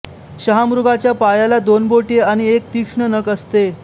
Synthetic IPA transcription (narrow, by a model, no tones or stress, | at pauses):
ɕəɦamɾuɡat͡ɕjapajalad̪onboʈeaɽ̃iek̚t̪ikʂɳənəkəst̪e